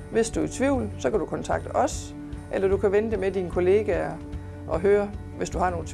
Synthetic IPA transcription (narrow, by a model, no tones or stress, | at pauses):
ʋe̝sd̥uæt͡sʰʋiʊ̰lsɒ̽kʰæd̥ukʰɒ̽nt͡sʰɑ̈ɡ̥̚d̥əʔɒ̽s | ʔelɐd̥ukʰæʋenəd̥e̝med̥inkʰo̝le̝ːɡ̥æɐ | ʔɒ̽ɦøːɐ | ʋe̝sd̥uhɑ̈no̝ːl̩ʰ